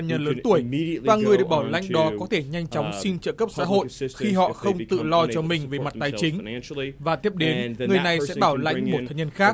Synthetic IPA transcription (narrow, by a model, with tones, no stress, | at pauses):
ɲə˧nləː˨˦nt̪u˧˩əjvaː˨˩ŋɨ˨˩əjɗe˨˩ɓaː˧˩la̰˧jjŋ̟ɗɔ˨˦kɔ˨˦t̪ʰe˧˩ɲa˧jŋ̟t͡ɕɔ˨˦wŋ͡msi˧nt͡ɕə̰ː˧˨kə˦˥p̚sa̰ː˧˥ɦo̰˧˨jxi˧ɦɔ̰˧˨xə˧wŋ͡mt̪ɨ̰˧˨lɔ˧t͡ɕɔ˧mï˨˩ŋ̟ve˨˩ma˨˩t̚t̪aː˨˩jt͡ɕï˨˦ŋ̟vaː˨˩t̪i˦˥əp̚ɗe˨˦nŋɨ˨˩ə˩jna˨˩jsɛ̰˧˥ɓaː˧˩wla̰˧˥jŋ̟mo˨˩t̪̚ʰaː˨˦ɲə˧nxaː˦˥k̚